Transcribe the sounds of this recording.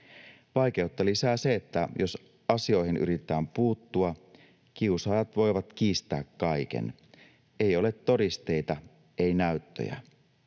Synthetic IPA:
ʋɑjk̟e̞ut̪ːɑlisæːse̞et̪ːæjo̞s | ɑsio̞jɦinʔy̰ɾit̪ˑæːmpuːt̪ːuɑ | k̟iusɑːjɑt̪ʋo̞jʋɑt̪k̟iːst̪æːkːɑjk̟e̞̰n | e̞jo̞le̞t̪ːo̞ɾist̪e̞jt̪ɑ | e̞jnæyt̪ːø̰jæ̰

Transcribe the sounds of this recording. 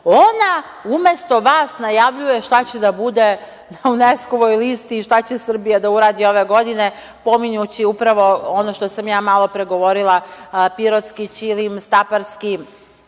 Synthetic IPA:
ona | ume̞st̪o̞ʋaːsnajaʋʎuje̞ʃt̪at͡ɕed̪abud̪e | naunesko̞ʋojlist̪iːʃt̪at͡ɕesr̩bijad̪auɾaːd̪io̞ʋeɡo̞d̪ine | po̞miɲut͡ɕiupɾaʋo̞onoʃt̪o̞samjaːmalˠo̞pɾeɡo̞ʋo̞ɾilˠapiɾot̪skit͡ɕilimst̪apaɾski

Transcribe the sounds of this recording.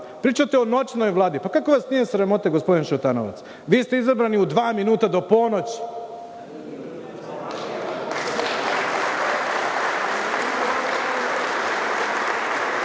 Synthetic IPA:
pɾiːt͡ʃat̪eono̞t͡ʃnojʋlˠaːd̪ipakako̞ʋasnije̞sɾamo̞t̪aɡo̞spo̞d̪inʃut̪ano̰ʋa̰t̪s | ʋiːst̪e̞izabɾaniud̪ʋaːminuːt̪ad̪o̞ponot͡ɕ

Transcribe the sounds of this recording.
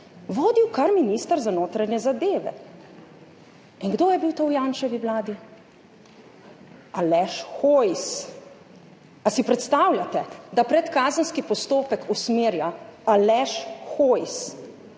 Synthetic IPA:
ʋoːd̪iwkaɾminist̪əɾzanoːt̪ɾaɲjɛzad̪eːʋɛ̰ | iŋɡd̪oːjɛbiwt̪owjaːnʃɛʋiʋlaːd̪i | alɛʃxojs | asipɾɛt̪st̪aːwlʲat̪ɛd̪apɾɛt̪kaːzənskipɔst̪oːpɛkusmeːɾjaalɛʃxojs

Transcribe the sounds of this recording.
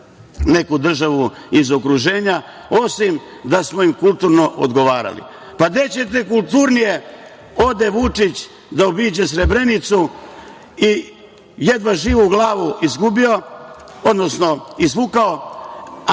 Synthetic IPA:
ne̞kud̪r̩ʒaʋu | izo̞kɾuʒe̞ːɲa | o̞sim | d̪asmoimkult̪uɾno̞ʔo̰d̪ɡo̞ʋaːɾa̰lḭ | pad̪et͡ɕet̪̬ekulˠt̪uɾnije | o̞d̪eʋut͡ʂit͡ɕ | d̪aobiːd͡ʑesɾebɾe̞nit̪su | i | jed̪ʋaʒiːʋuɡlaːʋuizɡubio̞od̪no̞sno̞izʋukao

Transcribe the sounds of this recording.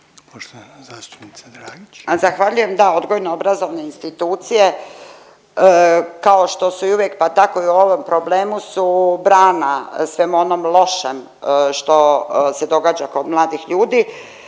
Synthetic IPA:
poʃt̪ozast̪u̥pnid̪ɾaɡizaxʋaːʎujemd̪ao̞d̪ɡo̞jnoobɾazo̞ʋne̞inst̪it̪uːt̪sije̞ | kao̞ʃt̪o̞suiuʋjek̚pat̪ako̞iuo̞ʋo̞mpɾobleːmusubɾaːnasʋemuo̞nomlˠo̞ʃem | ʃt̪o̞se̞d̪o̞ɡaːd͡ʑako̞d̪mlˠaːd̪ixʎuːd̪iː

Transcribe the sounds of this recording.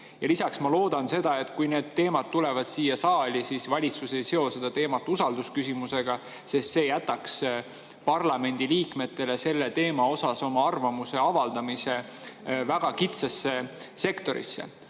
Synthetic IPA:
jɑlisɑksmɑlo̞ːd̪̥ɑnse̞d̪ɑe̞t̪kujne̞ːd̪̥̚t̪ːe̞ːmɑt̪̚t̪ːule̞vɑd̪̥siːjɑsɑːlʲisisvɑlʲit̪suse̞jse̞o̞se̞d̪̥ɑt̪e̞ːmɑt̪ːˑusɑld̪uskysimuse̞ɡ̥ɑ | sest̪se̞ːjæt̪ːˑɑks | pɑrlɑme̞nʲd̪̥iliːkme̞t̪ːˑe̞le̞se̞lːe̞t̪e̞ːmɑo̞sɑso̞mɑɑrvɑmuse̞ɑvɑld̪̥ɑmise̞væɡ̥ɑkit̪sɑsːe̞se̞kt̪o̞ɾḭsːḛ

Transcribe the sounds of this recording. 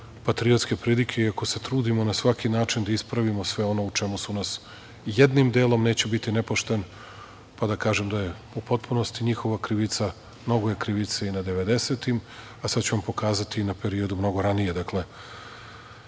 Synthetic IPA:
pat̪ɾiot̪ske̞pɾilikʰe̞iako̞se̞t̪ɾuːd̪imo̞nasʋakinaːt͡ʃind̪aispɾaʋimo̞sʋe̞o̞no̞ut͡ʃe̞musunas | jed̪nimd̪e̞ːlˠo̞mne̞ːt͡ɕebit̪ine̞poʃt̪e̞n | pad̪akaːʒemd̪aje̞ | upo̞t̪̚puno̞st̪iɲixo̞ʋakɾiʋit̪sa | mno̞ɡoje̞kɾiʋit̪seinad̪e̞ʋe̞d̪e̞se̞t̪im | asad̪t͡ɕuʋampo̞kaːzat̪iːnape̞ɾio̞d̪umno̞ɡo̞ɾanije̞d̪akle̞

